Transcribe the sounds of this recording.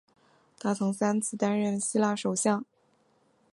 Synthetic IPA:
t̪ʰa˥t͡sʰʊ˧˥ŋsa˥nt͡sʰɹ̩˥˩t̪a˥nɻə˥˩nɕi˥la˥˩ʂo˨˩ʊɕjɑ˥˩ŋ

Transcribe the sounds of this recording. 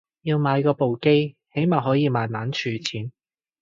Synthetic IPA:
jiː˧wmaː˨˧jkɔː˧po˨wke˥jhe˨˥jmaː˨˩ɦɔː˨˥jiː˨˧maː˨˧nmaː˨˥nt͡ʃʰyː˧t͡sʰiː˨˥n

